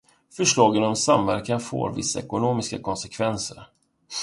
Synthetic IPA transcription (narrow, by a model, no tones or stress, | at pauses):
fœʂɭɑːɡənɔmsamvæɾkanfo̰ːɾvɪ̰sːaɛkʊnoːmɪskakʰɔnsɛkʰvɛnsəɾ